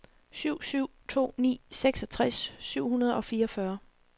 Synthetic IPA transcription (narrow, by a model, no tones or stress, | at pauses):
syʊ̰syʊ̰t͡sʰo̝̰ːnḭːseɡ̥sɒ̽t͡sʰʁasːyʊ̰hunɐð̞ˠɒ̽fiːɐɒfɶːɐ